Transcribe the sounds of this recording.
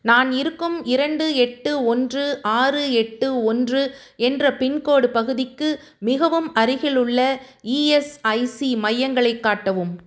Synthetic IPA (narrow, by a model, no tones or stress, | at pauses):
naːnɪɾɯkːɯmɪɾɐɳɖɯɛʈːɯɔndrɯʔaːrɯɛʈːɯɔndrɯ | ɛndrɐpɪnkoːɽɯpɐɣɯðɪkːɯ | mɪɣɐʋɯmɐɾɪɣɪɭɯɭːɐiːɛsɐɪsimɐjːɐŋɡɐɭɐɪkːaːʈːɐʋɯm